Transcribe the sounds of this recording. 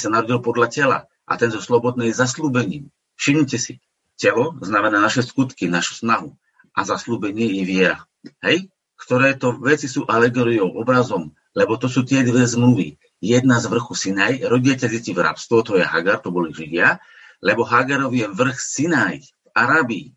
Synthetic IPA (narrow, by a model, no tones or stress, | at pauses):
sanaɾɔɟilpɔd̪lacɛla̰ | ʔa̰t̪ɛnzɔslɔbɔd̪̚nɛjzasluːbɛɲiːm | fʃimɲicɛsḭ | cɛlɔznamɛnaːnaʃɛskut̪kinaʃu̥snaɦu | ʔazasluːbɛɲɪɛjɛʋɪɛɾa̰ | ɦɛj | kt̪ɔɾɛːt̪ɔʋɛt͡sisuːʔalɛɡɔɾijɔʊʔɔbɾazɔm | lɛbɔt̪ɔsuːt̪ɪɛd̪ʋɛzmluʋḭ | jɛd̪nazʋr̩xusinajɾɔɟiacazɛcivɾa̰pst̪ʋɔt̪ɔjɛɦa̰ɡaɾt̪ɔbɔliʒiʋɪa | lɛbɔɦaɡaɾɔʋijɛʋr̩xsinaj | aɾaːbi